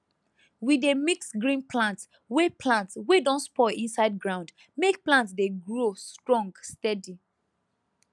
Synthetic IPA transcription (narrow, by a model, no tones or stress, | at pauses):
widemiksɡɹĩnplãnt | wepʰlãntswedɔ̃nspɔĩnsaɪd̚ɡɹãʊ̃nd | mek̚plãntsdeɡɹostɹɔ̃ŋɡstɛdi